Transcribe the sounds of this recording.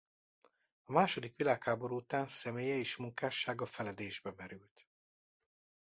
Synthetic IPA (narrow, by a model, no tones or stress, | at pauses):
ɒmaːʃo̞d̪ikʋilaːkhaːbo̞ɾuut̪aːnsɛmeːjɛeʃmuŋkaːʃːaːɡɒfɛlɛd̪eːʒbɛmɛɾylt̪